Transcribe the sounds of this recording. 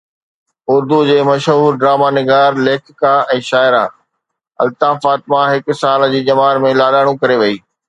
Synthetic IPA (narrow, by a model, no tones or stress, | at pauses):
ʊɾd̪ud͡ʑeːmɐʃɦuːɾɖɾaːmanɪɡaːɾleːkʰkaɛ̃ːʃaːɪɾã̰ː | ɐ̰lt̪aːfaːt̪mãɦɪksaːld͡ʑiːd͡ʑɐmaːɾmẽlaːɗaːɽ̃ũkɐɾeʋɐiː